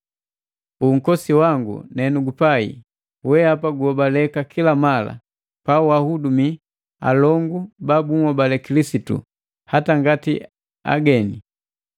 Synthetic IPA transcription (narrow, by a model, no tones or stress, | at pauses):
uŋ̩kɔsiwaŋɡṵnɛnuɡupaḭ | wɛapaɡuɔbalɛkakʰilamala̰ | pauahudumi | a̰lɔŋɡubabuŋɔbalɛkilisitṵ | hataŋɡati | a̰ɡɛni